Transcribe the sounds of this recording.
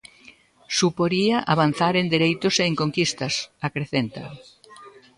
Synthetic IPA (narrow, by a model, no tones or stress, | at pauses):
supoɾiɐʔaβan̟θaɾend̪eɾejt̪ʊseːŋkoŋkist̪ɐsakɾeθent̪ɐ